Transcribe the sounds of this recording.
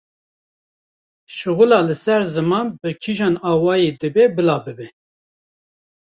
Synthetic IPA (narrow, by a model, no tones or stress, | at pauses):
ʃɨɣulɑːlɨsɛɾzɨmɑːnbɨkʰiʒɑːnɑːwɑːjed̪ɨbebɨlɑːbɨbɛ